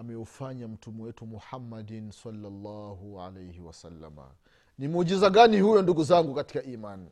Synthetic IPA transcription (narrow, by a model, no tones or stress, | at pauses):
amɛufaɲam̩tumɛwɛtumuħamːadinsalːalːaːhuʕa̰lejhiwasalːa̰ma̰ | nimuʄizaɠanihujɔnduɡuzaŋɡukati̥kaʔiːman